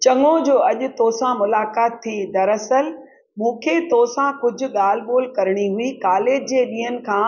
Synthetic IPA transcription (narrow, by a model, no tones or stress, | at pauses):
t͡ɕɐŋod͡ʑoːɐʄʊ̆t̪oːsãmʊlaːkaːt̪ʰːid̪ɐɾɐsəl | mũːkʰeːt̪oːsãkʊd͡ʑʱʊ̆ɠaːl̤ɓoːlkɐɾɪɽ̃iɦʊikaːleːd͡ʑd͡ʑeːɗiːɦənɪ̆kʰãː